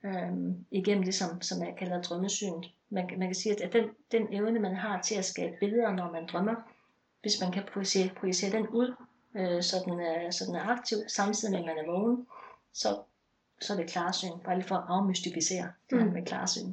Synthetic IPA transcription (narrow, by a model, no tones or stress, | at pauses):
øiɡ̥en̰m̩d̥e̝sɒ̽msɒ̽mæɐkʰælɐd̥ʁɶməsy̰ːnð̩ˠ | mænmænkʰæsiːæ̥d̥end̥eneʊnəmænɦɑ̈t͡sʰe̝læsɡ̥ɛ̰ːb̥əb̥e̝lð̩ˠɐnɒmænd̥ʁɶmɐ | ʋe̝smænkʰæpʰʁusepʰʁoise̝̰ːɐd̥enuð̞̰ˠ | øsɒ̽d̥ensɒ̽d̥enæɐɑ̈ɡ̥̚t͡sʰiʊ̰sɑ̈mt͡sʰið̰ˠimemænæɐʋɔʊn̩ | sɒ̽ | sɒ̽dɾekʰlɑ̈ːsy̰ːnb̥ɑælḭfɒ̽ʔɑ̈ʊmysd̥ifise̝̰ːɐd̥ehænmekʰlɑ̰̈ːsy̰ːn